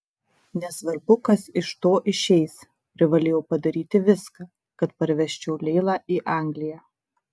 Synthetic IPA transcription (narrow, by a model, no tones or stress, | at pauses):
nʲɛsʋɐɾbʊkɐsɪʃt̪oːʔɪʃʲɛɪs | pʲɾʲɪʋɐlʲeːjɛʊpɐd̪ɐɾʲiːt̪ʲɪʋʲɪskɑː | kɐt̪pɐɾʲʋʲɛʃʲt͡ʃʲɛʊlʲɛːlˠɑːʔiːʔɑˑŋʲɡlʲɪjæː